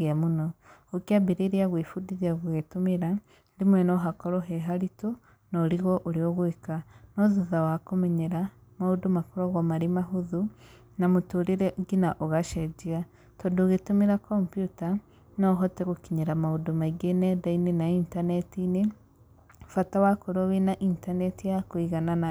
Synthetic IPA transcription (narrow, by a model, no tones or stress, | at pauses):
amunookjabiɾeɾiaɣwifudiðiaɣuɣetumiɾa | dimwenoɦakoɾoɦeɦaɾito | noɾiɣoʔoɾioɣwikanoðuðawaakomeɲeɾamaudumakuɾaɣamaɾimaɦuðu | namutuɾiɾeɡinaʔoɣaʃeɟia | toduɣetumiɾakompjuta | noɦoteɣukiɲeɾamaudumaiɡenedainenaintanetine | fatawakoɾoβinaʔintanetijakwiɣanana